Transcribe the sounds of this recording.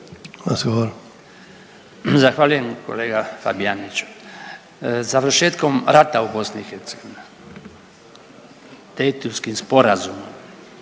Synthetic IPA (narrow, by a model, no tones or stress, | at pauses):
ɾazɡoʋoɾ | zaxʋaːʎuje̞mko̞̰le̞ːɡafa̰bianit͡ʃu̥ | zaʋr̩ʃeːt̪ko̞mɾat̪aubo̞snixeɾt̪seɡo̞ʋine | d̪̥ejt̪uskimspo̞ɾazumom